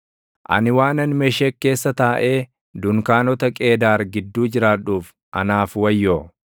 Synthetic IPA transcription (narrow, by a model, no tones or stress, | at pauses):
ʔɐ̰nɪwaːnɐnmɛʃeːkːe̞ːsːɐt̪aːʔe̞ː | d̪ʊŋkaːnɔt̪ɐkʼe̞ːd̪aːɾɡɪd̪ːuːd͡ʒɪɾaːᶑuːf | ʔɐ̰naːfwɐjːoː